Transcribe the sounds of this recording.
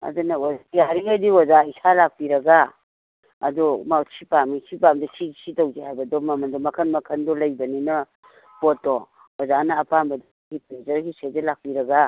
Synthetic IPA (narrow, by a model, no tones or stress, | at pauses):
a̰dunɐɔjaɾiadiwɔzaisalak̚piɾɐɡaː | dɔmat͡ʃʰipamit͡ʃʰipamdɐsʰisʰitɔwzihajbɐdɔmɐmɐndɔmɐkʰɐnmɐkʰɐndɔlɐjbɐninɐ | bɔtːɔ | wɔzanɐːpanbɐd | ɡipɾezɐɾɡisezelak̚piɾɐɡa